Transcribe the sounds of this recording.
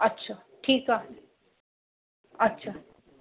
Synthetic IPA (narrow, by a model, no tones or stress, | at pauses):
ətːʃʰaː | ʈʰiːkaɦ | ɐtːʃʰa